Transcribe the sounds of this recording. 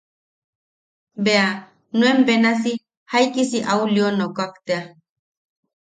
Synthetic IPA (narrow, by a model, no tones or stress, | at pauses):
bea | nwembenas̬i | hajkisiʔaulionokakt̪ea